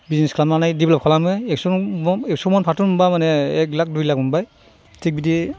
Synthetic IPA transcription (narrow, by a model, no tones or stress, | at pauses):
biznɛskʰlamnanajdiblɔpkʰalamɯɛksɔɛk̚sɔmɔnpʰatunmumbamanɛɛk̚lak̚dujlak̚mumbaj | tʰik̚bidi